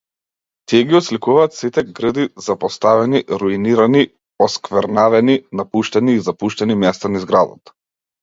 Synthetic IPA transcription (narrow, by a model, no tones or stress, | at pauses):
t̪iɛɡiɔt̪slikuvaːt̪sit̪ɛɡɾəd̪izapɔst̪avɛniɾuiniɾani | ɔskvɛɾnavɛninapuʃt̪ɛniːzapuʃt̪ɛnimɛst̪anizɡɾad̪ɔ̰t̪